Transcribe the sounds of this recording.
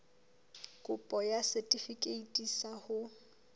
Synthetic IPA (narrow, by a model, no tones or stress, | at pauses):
kʼʊpʼɔjasɛtʼifikʼeitʼisahʊ